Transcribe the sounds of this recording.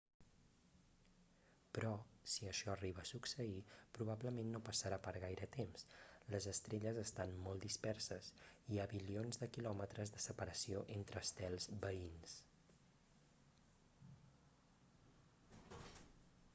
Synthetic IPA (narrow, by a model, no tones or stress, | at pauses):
pɾɔsiəʃɔəriβəːsuksəipɾuβ̞abləmenːopəsəɾapəɾɣajɾət̪emsləzəst̪ɾeʎəzəst̪anmolˠd̪ispɛrsəsiaβilionzðəkilɔmət̪ɾəzðəsəpəɾəsioʔent̪ɾəːst̪ɛlˠzbəins